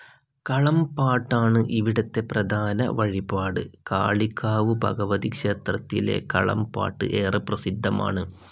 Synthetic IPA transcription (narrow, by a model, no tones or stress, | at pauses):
kɐɭɐmpaːʈːaːɳɨʔiʋiɽɐt̪ːe̞prɐd̪ʱaːnɐ̰ʋɐɻibaːɽɨka̰ːɭikʰːaːʋɨbʱɐ̰ɡɐʋɐðikʂe̞ːt̪rɐt̪ːile̞̰kɐ̰ɭɐ̰mpa̰ːʈːɨ̰ʔeːrɐprɐsid̪ʱːɐma̰ːɳɨ